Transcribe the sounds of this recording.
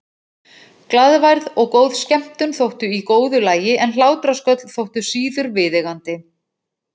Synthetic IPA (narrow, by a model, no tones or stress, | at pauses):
klaðvajɾðɔɣkowðscɛm̥t̪ʏnθowht̪ʏikoːwðʏlaːjɪʔɛnl̥aːwt̪ɾaskœt̪l̥θowht̪ʏsiːðʏɾvɪðɛɣant̪ɪ